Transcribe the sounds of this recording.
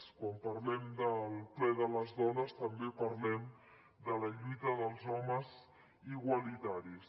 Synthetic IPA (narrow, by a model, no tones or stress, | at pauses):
skwampəɾlɛmd̪əlˠplɛðələzðɔnəst̪əmbepəɾlɛm | d̪ələʎujt̪əðəlˠzɔməz | iɣwəlit̪aɾis